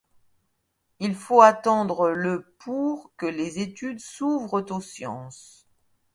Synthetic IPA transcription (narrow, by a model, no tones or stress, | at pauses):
ilfoat̪ɑ̃d̪ʁələpʰuʁkəlezet̪yd̪suvʁət̪osjɑ̰̃s